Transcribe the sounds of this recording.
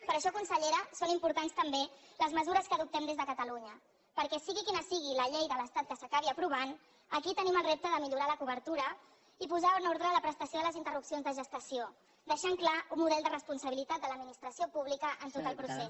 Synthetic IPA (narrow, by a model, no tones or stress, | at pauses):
pəɾəʃɔkunsəʎeɾəsonimpuɾt̪anst̪əmbeləzməzuɾəskəðup̚t̪ɛmd̪ezðəkət̪əluɲə | pəɾkɛsiɣikinəsiɣ̞iləʎejðələst̪at̪̚kəsəkaβ̞iəpɾuβ̞an | əkit̪əniməlˠrep̚t̪əðəmiʎuɾaləkuβ̞əɾt̪uɾə | ipuzaənoɾðɾələpɾəst̪əsjoðələzint̪ərupsionzðəʒəst̪əsio | d̪əʃaŋklaummuðɛlˠd̪ərəspunsəβ̞ilit̪at̪d̪ələd̪minist̪ɾəsiopuβlikəʔənt̪ot̪əlˠpɾusɛs